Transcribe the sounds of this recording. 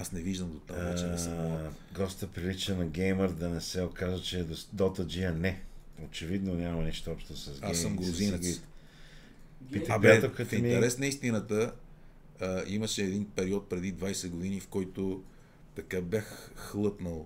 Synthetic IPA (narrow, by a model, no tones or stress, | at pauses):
asnɛviʒd̪əmd̪ot̪a̰at͡ʃɛn | ɡɔst̪əpɾilit͡ʃənɐɡɛjməɾd̪ɐnɛsɛokazvət͡ʃɛd̪osd̪ɔt̪əd͡ʒiɐnɛot͡ʃɛvid̪nonʲjamɐniʃt̪oɔpʃt̪osɐzɡaɛsːəmɡɾʊzinɡ̪it̪ | pit̪əapat̪okəfĩmit̪ɛɾɛsnɐist̪inət̪əː | iməʃɛːd̪inpɛɾiɔt̪̚pɾɛd̪id̪vajsɛɡʊd̪inifkɔjt̪o | t̪ɐkabjaxxlˠɤpnəlˠ